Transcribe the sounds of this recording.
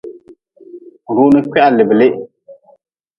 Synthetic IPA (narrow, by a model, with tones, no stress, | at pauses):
ɾuː˦nɨ˦kɛ˦ʔa˨lɪ˨bɪ˨lɪ˦ʔ